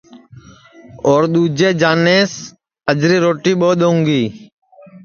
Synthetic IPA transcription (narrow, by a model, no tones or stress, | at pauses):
oːɾɗ̪uːd͡ʒeːd͡ʒaːneːs | əd͡ʒɾiːɾoːʈiːɓoːɗ̪oũːŋɡiː